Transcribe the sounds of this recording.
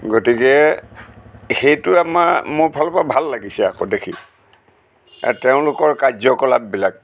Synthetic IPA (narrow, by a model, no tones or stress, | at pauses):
ɡotikɛ | xejtʊamamʊpʰalpabʱalːaɡisɛakodekʰi | a̰teʊ̃lʊkɔɹkazɔkɔla̰b̚bilak̚